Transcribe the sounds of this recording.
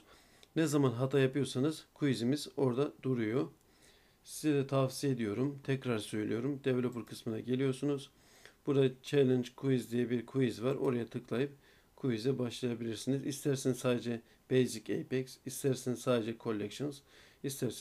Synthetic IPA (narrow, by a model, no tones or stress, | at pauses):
nɛzamanɦat̪ʰajapɯjo̞ɾsanɯzkʰuizimizo̞ɾd̪ad̪̥uɾujo̞ | sizɛd̪ɛt̪ʰafsije̞d̪ijo̞ɾumt̪ʰɛcɾaɾsø̞jlʲḭjo̞ɾumd̪ɛvlʲobuɾkʰɯsmɯnaɟe̞lʲijo̞ɾsunuz | b̥uɾd̪at͡ʃʰelʲɛnd͡ʒkʰuizd̪ijɛbiɾkʰuizvaɾo̞̰ɾajat̪ʰɯklˠajɯp̚ | kʰujizibaʃlˠajabilʲiɾsinizist̪ʰæɾsinizsaːd̪ed͡ʒɛ | bejzicejpɛksist̪ʰæɾsinizsaːd̪ed͡ʒɛkʰo̞lʲːɛkʃonz̥ | ist̪ʰæɾs